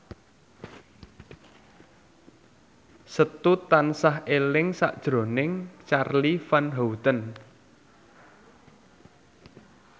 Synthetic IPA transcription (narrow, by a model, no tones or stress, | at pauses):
sət̪ut̪ansaɦelɪŋsa̰ʔd̥ʒ̥ɾo̤nɪŋt͡ʃarlifanɦowut̪ən